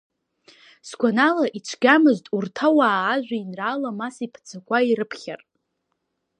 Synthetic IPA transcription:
sɡʷanalaʔiʈ͡ʂʷʰɡʲamɨztʼurtʰawaːʒᶣʷainraːlamasipʰt͡sʰakʷʼaiɾɨpʰχʲa̰r

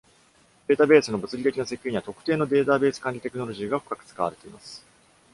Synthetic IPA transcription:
d̪e̞ːt̪abe̞ːsɨno̞bɯ̟t͡sɨɾʲit̪e̞kʲinose̞kʲiɲ̟iβat̪okɯ̟̥t̪e̞ːno̞d̪e̞ːt̪abe̞ːsɨ̥kãɲ̟ʲit̪e̞kɯ̟no̞ɾo̞ʑiːɡaɸɯ̟̥kakɯ̟̥t͡sɨ̥kaβa̰ɾe̞t̪e̞imasɨ̥

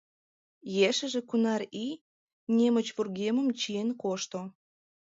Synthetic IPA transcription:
jeʃə̆ʒĕkunɑri | nʲemət͡ɕβurɣemə̆mt͡ɕienkoʃt̪o

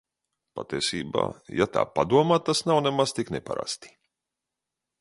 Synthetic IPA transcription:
pat̪iɛsiːba̰ːjat̪a̰ːpad̪uɔmaːt̪asnawnemaz̥t̪iknɛpa̰ɾa̰st̪i̥

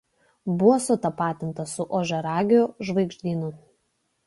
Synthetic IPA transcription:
bʊʋɔːsʊt̪ɐpɑːt̪ʲɪnt̪ɐsʊʔɔʒʲɛɾɑːɡʲoʒʋɐɪɡʒʲd̪ʲiːnʊ

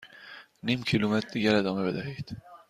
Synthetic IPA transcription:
nimcʰilumet̪ʰd̪iɡæɾed̪ɒːmebed̪æɦiːd̪̥

